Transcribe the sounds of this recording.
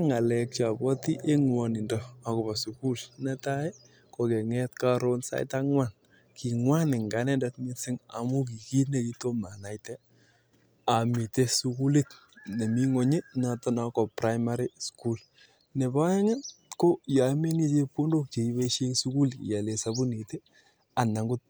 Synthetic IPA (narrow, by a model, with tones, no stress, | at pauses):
ŋa˨lɛ˨k̚t͡ʃa˨bɔ˦ti˦ʔe˦ŋwɔ˨nɪ˨ndɔa˨kʊ˨ba˨su˨ku˦lnɛ˦ta˦e˦ | ko˨kɛ˨ŋɛ˦tka˦ɾo˦nsa̰˦jta˦ŋwa˦˨n | ki˨ŋwa˦nɪ˨ŋɡa˨˦nɛ˦ndɛ˦tŋɪ˦sɪ˦ŋa̰˨mu˦k̬i˨ki˦ne˨ki˦to˦ma˨na˨jtɛ˦ | a˨mi˨te˦su˦ku˦li˦t | ne˨mi˦ŋɔ˨ɲe˦na˨tɔ˦na˨kɔ˨pɾa˦jma˦ɾi˦sku˦l | nɛ˨ba˦jɛ˦ŋɛ˦ko˦ja˨˦me˦ni˦t͡ʃe˦pu˦ndo˦k̚t͡ʃe˨i˨˦be˦ʃe˦ŋsu˦ku˦ljɛ˨le˨sa˦bu˦ni˨te˦ | a˨na˨ŋɡʊ˦t̚